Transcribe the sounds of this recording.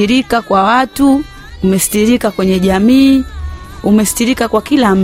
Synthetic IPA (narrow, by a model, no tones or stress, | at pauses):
iɾikakwawatu | umɛsi̥tiɾikakwɛɲɛʄamiː | umɛsi̥tiɾikakwakilam̩